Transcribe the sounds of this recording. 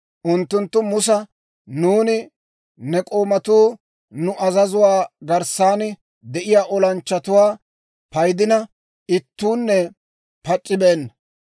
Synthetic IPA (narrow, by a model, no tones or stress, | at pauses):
ʔʊnt̪ːʊnt̪ːʊmʊsɐ | nuːnɪ | nɛkʼo̞ːmɐt̪uː | nʊʔɐzɐzʊwaːɡɐɾsaːnɪ | d̪ɛʔɪjaːʔɔlɐnt͡ʃːɐt̪ʊwaː | pɐjd̪ɪnɐ | ɪt̪ːuːnːɛ | pɐt͡ʃʼːɪbeːnːɐ